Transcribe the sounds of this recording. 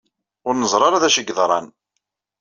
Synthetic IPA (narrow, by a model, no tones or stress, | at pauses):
ʊɾnəzˤɾˤɑɾˤaðæʃəɡːðˤɾˤɑ̰n